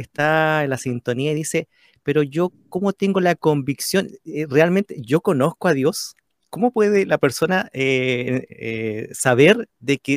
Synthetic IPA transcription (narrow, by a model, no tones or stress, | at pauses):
est̪aenlasint̪o̞niaiðise̞ | peɾoʝokomo̞t̪eŋɡolako̞mbiksjo̞nerealment̪eʝoko̞no̞skoaðjo̞s | komopweðelapeɾso̞nae | esaβeɾðeke